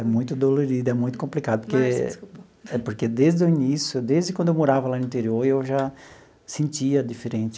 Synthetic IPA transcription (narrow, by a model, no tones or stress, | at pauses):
ɛmũj̃t̪ʊd̪oloɾid̪ʊɛmũj̃t̪ʊ̥kõmplikad̪ʊke | ɛpoɾked̪ezd̪ʊinisjʊd̪ezd̪ɪkwɐ̃d̪ʊewmoɾavɐlanʊ̃ĩnt̪eɾioɾewʒa | sẽnt͡ʃiɐd̪ifeɾẽnt͡ʃɪ